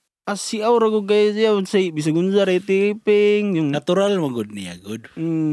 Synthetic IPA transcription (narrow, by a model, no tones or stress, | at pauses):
asiawɾaɡuɡaisiasaiʔbis̬aɡunzaɾait̪ipɛŋjuŋnat̪uɾalmaɡud̪̚nia̰ɡud